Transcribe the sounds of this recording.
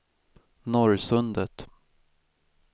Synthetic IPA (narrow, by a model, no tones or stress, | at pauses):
nɔɾsɵnd̪ət̪